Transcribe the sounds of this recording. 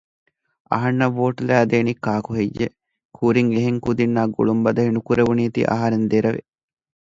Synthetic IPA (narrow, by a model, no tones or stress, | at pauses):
ɐ̰ɦɐnːɐʋːoːʈlæːd̪eːnikːaːkuɦejːe | kʰuːɾiŋeɦeŋkud̪inːaːɡo̰ɭumbɐd̪ɐɦinukuɾeʋuniːt̪ḭʔɐ̰ɦaɾend̪eɾɐʋḛ